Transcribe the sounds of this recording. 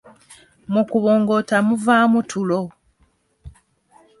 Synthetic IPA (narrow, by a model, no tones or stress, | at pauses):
mukuβo̞ːŋɡo̞tamuvaːmutʰulo